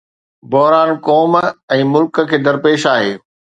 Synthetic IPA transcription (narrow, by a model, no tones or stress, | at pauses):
bɔɦɾaːnkɔːmɛ̃ːmʊlkkʰeːd̪ɐɾpeːʃaːɦeː